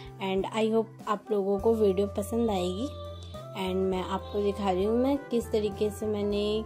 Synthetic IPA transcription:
ɛ̃ːɳɖa̰ːiɦoːp̚aːploːɡõkoʋeːɖijopɐsə̃nd̪aːeːɡiː | ɛ̃ːɳɖmɛ̃ʔaːp̚kod̪ɪkʰaːɾiɦũmɛ̃ːkɪst̪ɐɾiːkesemɛːne

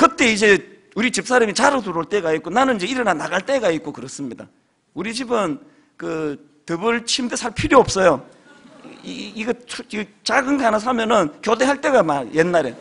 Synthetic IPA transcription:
kɯt͈e̞id͡ʑe̞ | uɾit͡ɕip̚s͈aɾamit͡ɕaɾɯtuɾoɭt͈e̞ɡaik͈onanɯnid͡ʑe̞iɾɯnanaɡaɭt͈e̞ɡait̚k͈okɯɾʌs͈ɯmɲida̰ | uɾit͡ɕibɯn | kɯ | tɯbɯɭt͡ɕʰimdesʰaɭpʰiɾjoop̚s͈ʌjo | ɡai | t͡ɕaɡɯnɡanɯs̬ʰamjʌnɯnkjode̞ɦaɭt͈e̞ɡamajenːaɾe

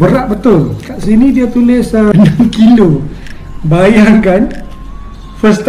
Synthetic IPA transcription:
bəɾaʔbət̪ʊlkaʔsinĩdiat̪ulɪsənaŋkilo | bajarkan | fəst̪

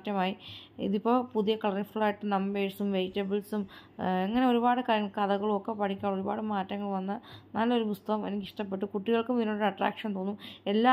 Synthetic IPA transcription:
tːɐmaːjiḭðipːo̞ːpuðijɐkɐɭɐrnɨfɭaːjiʈːɨnɐmbeːɽsumʋejtːɐbiɭsum | eŋːɐne̞o̞ɾubaːɽɨkaːɾjɐŋːɐɭkɨɐðɐɣɐɭumokːepɐʈʰikʲːaːɭo̞ɾubaːɽɨmaːtːɐŋːɐɭʋɐnːɨnɐlːo̞ɾumust̪ɐɣɐmenikʲːiʂʈɐpːe̞ʈːɨkuʈːiɣɐɭkumiðno̞ːɽɐʈra̰ːkʂɐnt̪oːnːume̞lːaː

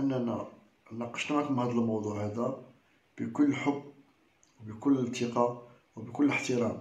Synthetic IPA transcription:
ʔənːænæ | nɑqːɑ̥ʃnʕækʊmhæd̪əlmɑwd̪ˤuʕhæd̪æ | b̥əkʊlːəlħʊbː | wbəkʊlːəlt̪əqɑ | wbəkʊlːələħt̪əɾɑm

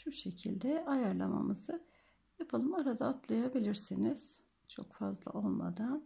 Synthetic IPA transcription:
ʃuʃe̞cʰḭlʲd̪ɛajaɾlˠa̰ma̰mɯzɯ | japʰɯlˠɯmaɾad̪aːt̪ʰlˠajabilʲiɾsiniz̥ | t͡ʃʰo̞kfa̰zlˠa̰ʔo̞lˠma̰d̪an

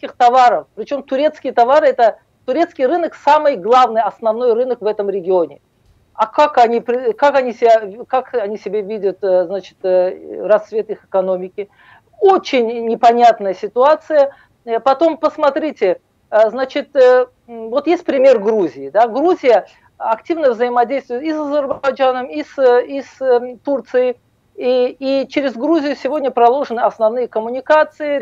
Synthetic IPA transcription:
kʲɪxt̪ɐvaɾəfpɾʲɪt͡ɕo̞mt̪ʊɾʲe̞t̪skʲɪjət̪ɐvaɾɨɛt̪ə | t̪ʊɾʲe̞t̪skʲɪjrɨnəksamɨjɡlˠavnɨjɐsnɐvno̞jrɨnəkvɛt̪əmɾʲɪɡʲɪonʲɪ | akakɐnʲipɾʲɪkakɐnʲisʲɪbʲakakɐnʲisʲɪbʲevʲidʲʊt̪znat͡ɕɪ̥t̪rɐsːvʲe̞t̪ixɨkɐno̞mʲɪkʲɪ | ot͡ɕɪnʲnʲɪpɐnʲat̪nəjəsʲɪt̪ʊat̪sɨjə | pɐt̪o̞mpəsmɐt̪ɾʲitʲɪ | znat͡ɕɪt̪ | vo̞t̪jesʲt̚ʲpɾʲɪmʲerɡɾuzʲɪːd̪aɡɾuzʲɪjə | ɐktʲivnəvzəjɪmɐdʲejst̪vʊjɪt̪isɐzʲɪrbbɐjd͡ʒanəmisist̪urt̪sɨjɪ | iit͡ɕɪɾʲɪzɡɾuzʲɪjʊsʲɪvo̞dʲnʲəpɾɐlˠo̞ʐɨnɨɐsnɐvnɨjəkəmʊnʲɪkat̪sɨɪ

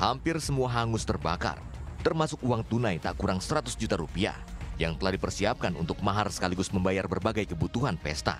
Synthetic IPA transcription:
hampɪrsəmuaɦaŋʊst̪ərbaka̰r | t̪ərmasʊk̚uaŋt̪unajt̪a̰ʔkuɾaŋsəɾat̪ʊsd͡ʒut̪aɾupia̰hjaŋt̪əlahdipərsiap̚kanṵnt̪ʊk̚maɦarsə̥kaliɡʊsməmbajarbərbaɡajkəbut̪uɦanpɛ̰st̪a̰

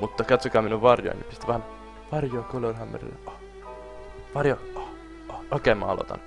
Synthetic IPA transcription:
mut̪ːɑkɑt̪sokɑːminuʋʋɑrjo̰ḭnḭpist̪iʋɑːn | ʋɑrjoɑkolorhɑmːḛɾḭl̰ːo | ʋɑrjoo | ookeːmɑ̰ːɑ̰lo̰t̪ɑ̰n

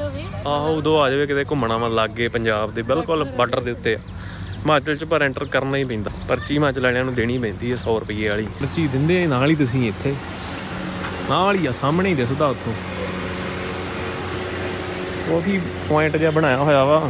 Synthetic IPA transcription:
aːɦod̪oːaːd͡ʒaːʋeːkɪt̪eːkʊmənãːmãːlaːɡːeːpəɲd͡ʒaːbd̪eːbɪlkəlbəɖəɾd̪ɪːʊt̪ːeː | maːt͡ʃəlt͡ʃpəɾɛ̃ːɳʈəɾkəɾnaːĩːbẽːnd̪aːpəɾt͡ʃiːmãːt͡ʃlaːɽ̃ãːnũːd̪eːɽ̃iːbɛ̃ːnd̪iːɦɛːsɔːɾʊpiːeaːɭiːəɾt͡ʃiːd̪ɪnd̪eːnaːliːt̪ʊs̬ĩːɪt̪ʰːeː | naːliːaːsaːmneːiːd̪es̬əd̪aːʊt̪ʰːõː | okʰiː | pãːɪ̃ɳʈd͡ʒaːbəɽ̃aːjaːɦoːjaːʋaː

